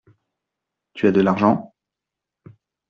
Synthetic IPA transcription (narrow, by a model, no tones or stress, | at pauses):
t̪yad̪əlaʁʒɑ̃